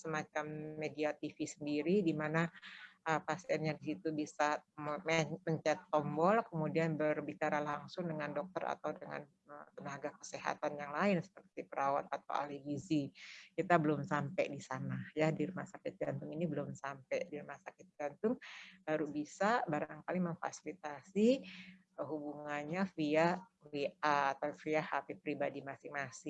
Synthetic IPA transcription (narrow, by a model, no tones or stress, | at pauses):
səmat͡ʃamːediat̪ifisəndiɾidimanaʔəpasɛnɲadisit̪ubisammməɲt͡ʃɛt̪ːɔmbɔlkəmudianbərbit͡ʃaɾalaŋsʊŋdəŋandɔk̚t̪əɾa̰t̪awdəŋa̰n | ət̪ənaɡakə̥seɦa̰t̪anjaŋlaɪnsə̥pərt̪ipəɾawa̰t̪̚at̪a̰wa̰livizikit̪abəlʊmsampɛdisanahjadirmasakɪt̪̚ɡant̪ʊŋinibəlʊmsampɛdirmasakɪt̪̚ɡant̪ʊŋb̥aɾubisabaɾaŋkaliməŋfa̰silit̪asi | əɦubuŋanɲafia | wiʔat̪awfiahapipɾibadimasɪŋmasɪ